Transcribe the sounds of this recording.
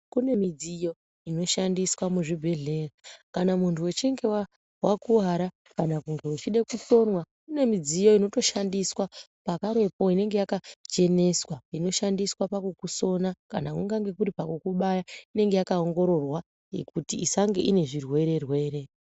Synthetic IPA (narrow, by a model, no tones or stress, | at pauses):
kune̞mid͡zijo̞ | ino̞ʃandiswamuʐibʱe̞ɮe̞rakanamuntʰuwe̞t͡ʃeŋɡe̞wa | wakuɦaɾa | kanakuŋɡewut͡ʃiɗe̞kuto̞nwa | kune̞mid͡zijo̞ino̞to̞ʃandiswa | pakaɾe̞po̞ine̞ŋɡe̞jakat͡ʃe̞ne̞swaino̞ʃandiswapakukuso̞nakanakuŋɡaŋɡe̞kuɾipakukuɓajaine̞ŋɡe̞jakaoŋɡo̞ɾo̞rwa | je̞̰kutiisaŋɡeʔine̞ʐirwe̞ɾe̞rwe̞ɾe̞